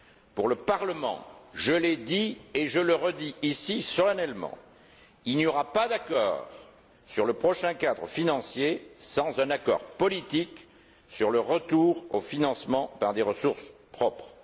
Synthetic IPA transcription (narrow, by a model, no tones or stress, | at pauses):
puʁləpaʁləmɑ̰̃ʒəled̪ieʒələʁəd̪iisisɔlanɛlmɑ̰̃ | ilnijoʁapad̪akɔ̰ʁ | syʁləpχɔʃɛ̃kad̪ʁəfinɑ̃sjesɑ̃zɛ̃nakɔ̰ʁpɔlit̪ik | syʁləʁət̪uʁofinɑ̃smɑ̃paʁd̪eʁəsuʁspχɔpχ